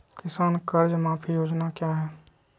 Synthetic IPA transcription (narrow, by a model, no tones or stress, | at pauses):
kɪsaːnkɐɾd͡ʒmãːpʰijoːd͡ʒnakjaːɦɛː